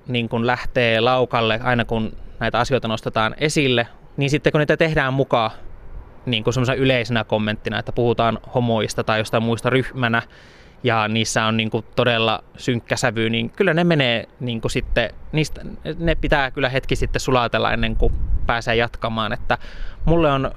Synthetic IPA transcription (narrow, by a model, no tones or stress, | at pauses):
niːŋkunlæht̪eːlɑukɑlːeʔɑinɑkunnæit̪æɑsioit̪ɑnost̪et̪ɑːnesilːe | niːnsit̪ːekuniːt̪æt̪ehdæːmmukɑ | niːŋkusemːosenɑyleisenækomːent̪ːinɑḛt̪ːæpuhut̪ɑːnhomojist̪ɑt̪ɑijost̪ɑmuist̪ɑryhmænæ | jɑniːsːæonniːŋkut̪odelːɑ̰syŋkːæsæʋyniːŋkylːænemeneːniːŋkusit̪ːeniːst̪ænepit̪ækylːæhet̪kisit̪ːessulɑt̪elːɑ̰ḛnːeŋkupæːseːjɑt̪kɑmɑːnet̪ːæmulːeon